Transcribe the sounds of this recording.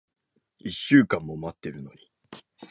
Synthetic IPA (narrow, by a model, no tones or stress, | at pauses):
iɕːɨːkãmːo̞mat̪ːe̞ɾɯ̟no̞ɲ̟i̥